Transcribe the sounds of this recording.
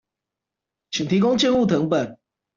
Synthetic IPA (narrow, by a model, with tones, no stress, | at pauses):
t͡ɕʰi˨ŋt̪ʰi˨˥ko˥ŋt͡ɕjɛ˥˧nu˥˨˩t̪ʰɤ˧˥ŋpə˨˩n